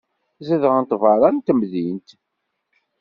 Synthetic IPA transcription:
zæðəʁənt̪vɑɾˤɑnt̪əmðint̪

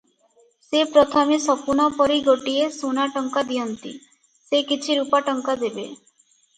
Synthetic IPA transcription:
sepɾɔt̪ʰɔmesɔpunapɔɾiɡoʈiesunaʈɔŋkad̪ijɔnt̪ḭ | sekit͡ʃʰiɾupaʈɔŋkad̪ebe

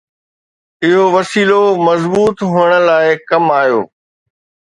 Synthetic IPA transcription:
ɪɦoʋɐsiːlomɐzbuːt̪ɦʊːəɽ̃ə̆laːɪkɐmaːjo̰ː

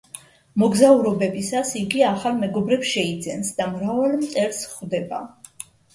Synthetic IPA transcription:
mɔɡzauɾɔbɛbisasiɡiaχalˠmɛɡɔbɾɛpsʃɛid̪zɛnsd̪amɾavalˠmt̪ʼɛɾsχwd̪ɛba

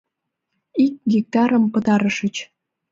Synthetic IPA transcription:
ik̚ɡik̚t̪ɑɾəmpət̪ɑɾəʃət͡ɕ

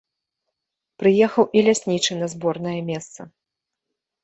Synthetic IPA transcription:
pɾɨjɛxɐwʔilʲasʲnʲit͡ʂɨnɐzbɔrnɐjɐmʲɛst̪sɐ

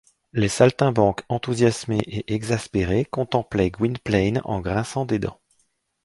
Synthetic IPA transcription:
lesalt̪ɛ̃bɑ̃kɑ̃t̪uzjasmeʔeʔɛɡzaspeʁekɔ̃t̪ɑ̃plɛɡwinplɛjnɑ̰̃ɡʁɛ̃sɑ̃d̪ed̪ɑ̰̃

